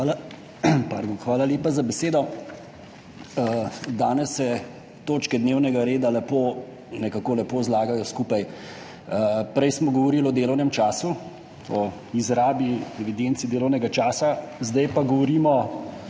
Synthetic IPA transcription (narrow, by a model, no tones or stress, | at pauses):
al | pa̰ɾd̪oxʋaːlaljeːpazabɛseːd̪ɔ | əd̪aːnɛsːɛ | t̪oːt͡ʃkɛd̪neːwnɛɡaɾeːd̪alɛpo | nɛkakolɛpoːzlaːɡajɔskupaj | əpɾɛjsmɔɡɔʋɔɾiːlɔd̪eːlɔwnɛmt͡ʃaːsu | ɔ | izɾaːbiɛʋid̪eːnt̪sid̪eːlɔwnɛɡat͡ʃaːsazd̪ajpaɡɔʋɔɾiːmɔ